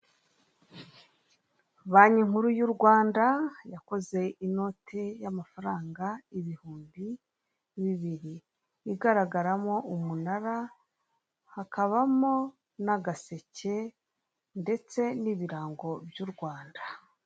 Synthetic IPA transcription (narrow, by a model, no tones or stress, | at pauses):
βaːɲiŋ̥huɾujuɾɡwaːndajako̞ze̞ino̞tʰe̞jamafaɾaːŋɡaiβihuːmbi | βiβiɾiː | ɡaɾaɡaɾamo̞umunaɾa | hakaβamo̞ | naɡase̞ce̞ | nde̞t͡se̞niːβiɾaːŋɡo̞bjuːɾɡwaːnda